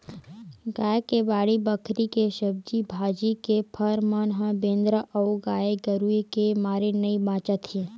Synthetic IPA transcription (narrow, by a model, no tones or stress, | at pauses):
ɡaːjkebaːɽibəkʰɾikeʃəb̚d͡ʒibʱaːd͡ʒikepʰəɾmanɦãbẽːnd̪ɾəʔɐʊɡaːeɡəɾuikemaːɾenɐibãːt͡ʃət̪hẽ